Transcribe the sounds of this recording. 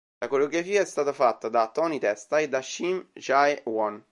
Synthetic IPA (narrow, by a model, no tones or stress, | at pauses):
lʔakoɾeoɡɾafiːaɛst̪aːt̪afat̪ːad̪at̪ːɔnit̪ɛst̪aed̪ːaʃːimʃajwɔn